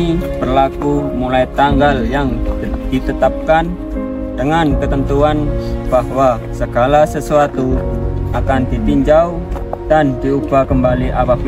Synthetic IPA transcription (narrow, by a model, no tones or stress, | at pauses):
ipərlakumulait̪aŋɡaljaŋ | d̪̥it̪ət̪ap̚kan | dəŋankət̪ənt̪uanb̥ahwa | səɡ̥alasəsuat̪uʔakand̪it̪iɲd͡ʒaud̥and̪̥iub̥akəmbaliʔawak